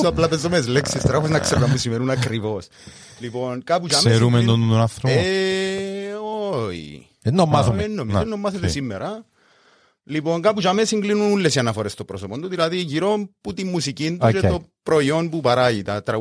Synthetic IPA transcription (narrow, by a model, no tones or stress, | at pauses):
oaplapezomezleksiest̪ɾafosinɐkseɾnɐmpusimeɾunakɾivos | lipo̞nkap̬ut͡ʃameɾumend̪onunonaθɾoe | oḭ | enːomːasoenːomisenːomːɐset̪esimːḛɾɐ | lipo̞ŋkapud͡ʒɐmesiŋɡlinunulːesianɐfoɾest̪opɾosopond̪uðilɐðiʝiɾo̞mput̪imːusicind̪uʃet̪opɾoio̞npupɐɾaʝit̪ɐt̪ɾɐ